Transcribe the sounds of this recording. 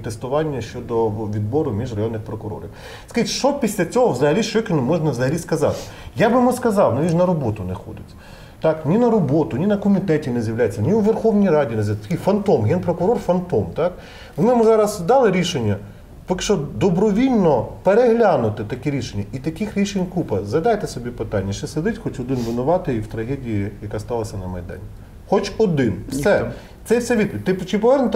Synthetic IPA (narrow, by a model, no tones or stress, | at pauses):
t̪est̪ʊʋɑnʲːɐʃt͡ʃɔd̪ɔʋʲid̪̚bɔɾʊmʲiʒrɐjɔnːɪxpɾɔkʊɾɔ̰ɾɪ̰w | skɐʒitʲʃt͡ʃɔpʲisʲlʲɐt͡sʲɔɦɔʋzɐɦɐlʲiʃt͡ʃɔkʲɪnʊmɔʒnɐʋzɐɦɐlʲiskɐzɑ̰t̪ɪ̥jɑbɪmʊskɐzɑwnɐʋʲiʒnɐɾɔbɔt̪ʊnɛxɔ̰d̪ɪt͡sʲ | t̪ɑknʲinɐɾɔbɔt̪ʊnʲinɐkɔmʲit̪ɛtʲinɛzʲjɐʋwlʲajet͡sʲːɐnʲiwʋerxɔwnʲijɾɑdʲinezʲt̪ɐkʲifɐnt̪ɔmɦɛnpɾɔkʊɾɔrfɐnt̪ɔmt̪ɑk | ʋnɪmɪzɑɾɐzd̪ɑlˠɪɾʲiʃenʲːɐ | pɔkɪ̥ʃt͡ʃɔd̪ɔbɾɔʋʲilʲnɔpeɾeɦlʲanʊt̪ɪt̪ɐkɛɾʲiʃenʲːɐit̪ɐkixɾʲiʃenʲkupɐzɐd̪ɑjt̪ɛsɔbʲipɪt̪ɑnʲːɐt͡ʃt͡ʃɛsed̪ɪtʲxɔt͡ʃɔd̪ɪnʋɪnʊʋɑt̪ɪiwt̪ɾɐɦɛdʲijijɐkɑst̪ɑlˠɐsʲɐnɐmɐjd̪ɑ̰nʲi | xɔt͡ʃɔd̪ɪnfsɛ | t̪sɛjwsɛʋʲid̪̚pʋʲit̪̚ʲɪpt͡ʃɪpɔʋɛrnʊt̪